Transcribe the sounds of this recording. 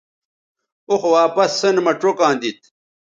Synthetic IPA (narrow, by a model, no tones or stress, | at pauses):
oxwaːpɐsːɐnmɐʈ͡ʂokãːnd̪it̪̚